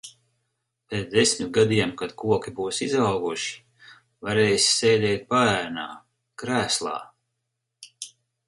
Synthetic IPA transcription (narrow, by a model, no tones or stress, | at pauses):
pet̪d̪esʲmʲt̪ɡad̪iɛmkad̪̥kuɔkʲibuːsizawɡuʃi̥ | vaɾeːjsʲsɛjd̪ɛːt̪̚paæːɾna̰ː | kɾæːslˠɑ̰ː